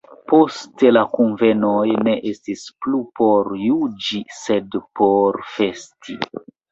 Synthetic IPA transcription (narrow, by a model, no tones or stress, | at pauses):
po̞ste̞lakunve̞nojne̞ʔestisplupo̞ɾjud͡ʒise̞dpo̞ɾfe̞stʰi